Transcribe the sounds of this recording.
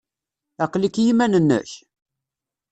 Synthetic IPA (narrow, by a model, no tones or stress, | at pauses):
æqlikjimænənːə̰ç